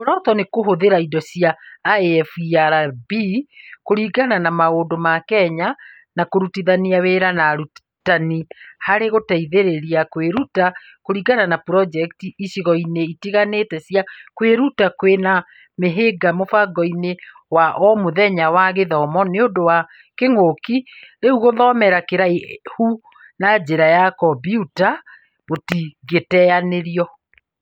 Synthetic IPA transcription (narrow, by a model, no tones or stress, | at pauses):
oɾɔtɔnekoɦoðeɾaidɔsiaːeɛfiaɾabikoɾiːɡananamaoːndomakɛɲa | nakoɾutiðaniaweɾanaɾu | tanihaɾeɣotaiðeɾeɾiakweɾuta | koɾiɣananapɾɔd͡ʒɛktiiʃiɣɔineitiɣanetɛsiakweɾutakwena | meɦeɡamofaɡɔine | waʔɔmoðɛɲawaɣeðɔmɔneodowa | keŋokiɾeuɣoðɔmɛɾakeɾaehu | nad͡ʑeɾajakɔbiuta | otiɡetɛaneɾiɔ